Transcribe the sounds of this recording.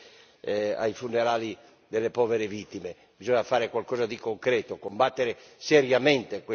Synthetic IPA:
a̰jfunːeɾaːli | d̪elːepɔːveɾevit̪ːime | bizɔɲafaːɾekwalkɔːzad̪ikoŋkɾɛːt̪okombat̪ːeɾeseɾjament̪ekwe

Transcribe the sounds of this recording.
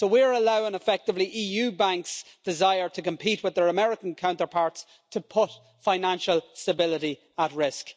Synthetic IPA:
soʊwiə˞əlaʊɪ̃ŋəfɛk̚tɪvliʔiːjʉːbãŋksd̥ɪzaɪə˞tʰəkʰə̃mpʰitwɪðə˞əmɛɹɪkə̃n̩kʰãʊ̃ntə˞pʰaɹts | tʰəpʰʊt | faɪnãnʃəlˠstəbɪlɪɾi | ət̚ɹɪsk

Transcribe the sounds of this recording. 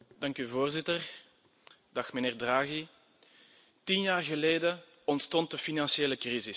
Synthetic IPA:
d̥ɑŋkyvoːrzɪtər | d̥ɑxməneːrdraːɣi | tinjaːrɣəleːdə | ɔntstɔnt̚dəfinɑnsieːləkrizɪs

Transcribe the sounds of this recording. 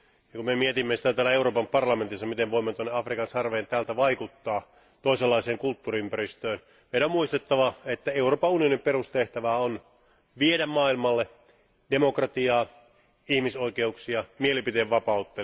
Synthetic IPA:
jɑkumemiet̪imːesi̥t̪æt̪æːlæeuɾoːpɑmpɑrlɑment̪isːɑmit̪eʋʋoimːet̪uonːeɑfrikɑnsɑrʋeːnt̪æːlt̪æʋɑikut̪ːɑː | t̪oiselːɑiseːŋkult̪ːuːriympæɾist̪øːn | meiɾæomuist̪et̪ːɑʋɑet̪ːæeuroːpɑunionimpeɾust̪eht̪æʋæːon | ʋiedæmmɑːilmɑlːe | d̥emo̞krɑt̪iɑː | ihmiso̞ikeuksiɑmielipit̪eːʋʋɑpɑut̪ːe

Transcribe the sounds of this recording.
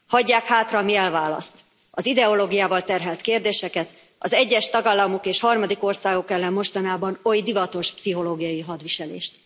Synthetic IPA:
hɒɟːaːkhaːt̪rɒmiɛlvaːlɒ̰st̪ | ɒzid̪ɛo̞loːɡijaːvɒlt̪ɛrɦɛlt̪keːrd̪eːʃɛkɛt̪ | ɒzɛɟːɛʃt̪ɒɡaːlːɒmokeːʃhɒrmɒd̪iko̞rsaːɡo̞kɛlːɛmːo̞ʃt̪ɒnaːbɒno̞jd̪ivɒt̪o̞ʃpsiɦo̞loːɡijɒjiɦɒd̪ʋiʃɛlḛːʃt̪

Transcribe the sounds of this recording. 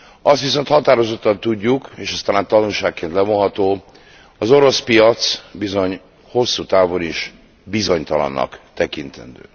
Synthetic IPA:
ɒst̪ʋiso̞nt̪hɒt̪aːɾo̞zo̞t̪ːɒnt̪uɟːukeːʃɒst̪alaːnt̪ɒnulʃaːkːeːnt̪lɛvo̞nɦɒt̪oː | ɒzo̞ɾo̞spijɒt̪sbizo̞ɲ | ho̞sːuːt̪aːvo̞niʃ | bizo̞ɲt̪ɒlɒ̰nːɒ̰kt̪ɛkint̪ɛ̰nd̪ø̰ː

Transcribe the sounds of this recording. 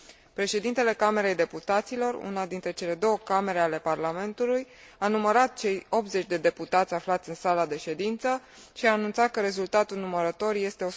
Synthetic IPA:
pɾe̞ʃe̞d̪int̪e̞le̞kame̞ɾe̞jd̪e̞put̪at̪silo̞rṵnad̪int̪ɾe̞t͡ʃe̞le̞d̪o̞wəkame̞ɾe̞ale̞parlame̞nt̪uluj | anuməɾat̪̚t͡ʃe̞jo̞p̪̚ze̞t͡ʃʲd̪e̞d̪e̞put̪at̪sʲaflat̪sʲɨnsalad̪e̞ʃe̞d̪int̪sə | ʃiaːnunt̪sat̪̚kəɾe̞zult̪at̪ulnuməɾət̪o̞rje̞st̪e̞o̞

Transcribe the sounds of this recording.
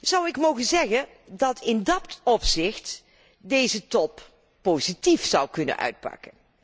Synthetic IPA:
z̥ʌwɪkmowχənzɛχən | dɑtʰɪndɑtɔpsɪχt | dejzətɔpː | owzitifsʌwkɵnə̰nʔœ̰ɥt̚pɑ̰kən

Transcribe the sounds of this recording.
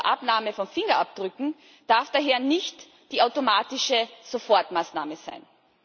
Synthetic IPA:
ʔapnaːməfɔnfɪŋɐʔap̚d̥ʁʏkŋ̩ | d̥aɐfd̥aːɦeːɐnɪçt | d̥iːaʊtomaːtɪʃəz̥ofɔɐtmaːsnaːməz̥a̰ɪn

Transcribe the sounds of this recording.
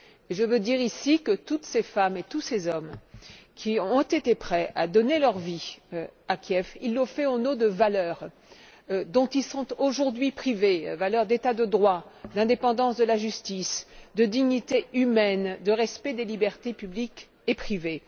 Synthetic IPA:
eʒəvød̪iʁisikət̪ut̪sefamet̪usezɔmkʲʰĩɔ̃t̪et̪epχɛʔa̰d̪ɔnelœʁvi | akʲjɛfilːofɛɑ̃nod̪əvalœːʁ | d̪ɔ̃t̪ilsɔ̃t̪oʒuʁd̪ɥipχivevalœʁd̪et̪ad̪əd̪ʁwad̪ɛ̃d̪epɑ̃d̪ɑ̃sd̪əlaʒyst̪isd̪əd̪iɲit̪eymɛnd̪əʁɛspɛd̪elibɛʁt̪epyblik | epχive

